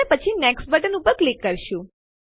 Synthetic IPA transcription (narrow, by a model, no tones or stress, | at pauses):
epət͡ʃʰinɛksʈ̚bəʈənupəɾklikːəɾʃũ